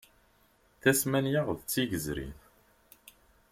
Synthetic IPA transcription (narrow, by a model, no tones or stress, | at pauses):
θæsmænjaʁðt͡sːiʝəzɾḭn